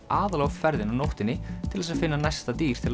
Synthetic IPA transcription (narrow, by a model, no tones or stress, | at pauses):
aːðlawfɛɾðɪnawnowht̪ɪnːɪt̪ʰɪlðɛsaðfɪnːanajst̪at̪iːɾ̥t̪ʰɪl